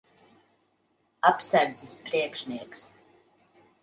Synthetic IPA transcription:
apsaɾd̪zispɾiɛkʂniɛks

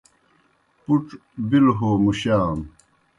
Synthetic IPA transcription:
puʈ͡ʂ | bilɦoːmuɕaːm

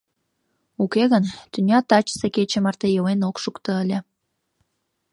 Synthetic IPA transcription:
ukeɣənt̪ynʲɑt̪ɑt͡ɕə̥seket͡ɕemɑrt̪ejəwenokʃukt̪ə̆əlʲe

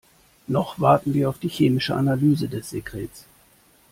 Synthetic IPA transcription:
nɔχv̥aɐtn̩viːɐaʊfd̥iːçeːmɪʃəʔanalyːzədɛsz̥eɡʁ̥ɛːs

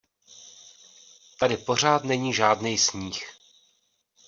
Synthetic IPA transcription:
t̪adɪpo̞r̝aːt̪nɛɲiːʒaːdnɛjsɲiːx

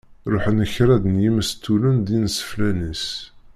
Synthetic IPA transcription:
ɾˤʊħənəçɾæd̪ənjiməst̪ʰːulənd̪insə̥flænis

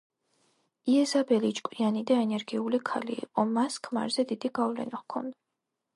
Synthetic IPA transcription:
iɛzabɛlit͡ʃʼkʼwianid̪aɛnɛɾɡiulikʰalḭːqʼɔmaskʰma̰ɾzɛd̪id̪iɡavlɛ̰naχkʰɔnd̪a

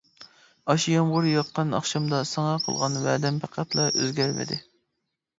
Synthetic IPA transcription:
ɑʃijɑmʁʊɾjɑt̪̚qːɑnɑ̰χʃɑmd̪ɑsɑŋɑqʰə̰lˠʁɑnwæd̪ɛmpʰæqʰæt̪lˠɑʔøzɡʲæɾmɪ̰d̪ɪ̰

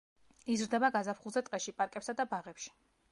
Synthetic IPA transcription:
izɾd̪ɛbaɡazapʰχulˠzɛt̪ʼqʼɛʃipʼaɾkʼɛpsad̪abaʁɛpʃi̥

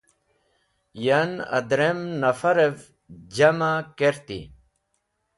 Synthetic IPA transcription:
janɐ̰d̪ɾemnɐfɐɾev | d͡ʑɐmakeɾt̪ḭ

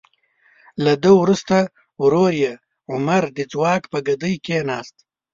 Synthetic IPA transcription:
lad̪əwɾust̪a | wɾoɾje | ʊmaɾd̪ɪd͡zwɑːkpəɡɐd̪əjkenɑːst̪

